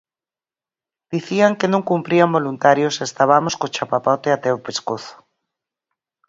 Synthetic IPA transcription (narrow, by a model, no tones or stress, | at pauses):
d̪̥iθiaŋkenõŋkumpɾiambolunt̪aɾjosest̪aβamoskot͡ʃapapɔt̪eat̪ɛopeskoθo̥